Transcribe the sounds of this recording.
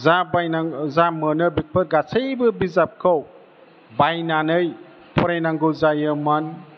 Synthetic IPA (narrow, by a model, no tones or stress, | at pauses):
zabajnazamɯnɯbik̚pʰɯɾɡasəjbɯbizap̚kʰɯw | bajnanɯj | pʰɔɾajnaŋɡɯwzajɯman